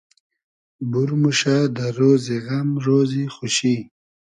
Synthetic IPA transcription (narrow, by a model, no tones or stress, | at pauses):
buɾmuʃad̪əɾoːziɣamɾoːzixuʃi